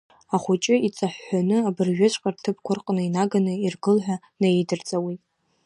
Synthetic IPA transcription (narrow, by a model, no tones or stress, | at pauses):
aχʷut͡ʃʼɪit͡sʼaħːanɨabɨrʒᶣʏt͡ʃʷʼqʼartʰɨp̚ʰkʷʊrqʼnɨinaɡanɨirɡɨlħʷᶣa | najejdɨrt͡sʼawitʼ